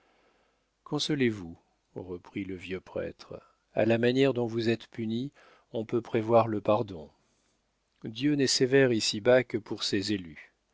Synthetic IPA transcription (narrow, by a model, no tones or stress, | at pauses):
kʰɔ̃sɔlevu | ʁəpχiləvjøpχɛ̰t̪χ | a̰lamanjɛʁd̪ɔ̃vuzɛt̪pyni | ɔ̃pøpχevwaʁləpaʁd̪ɔ̃ | d̪jønɛsevɛʁisibakəpuʁsezely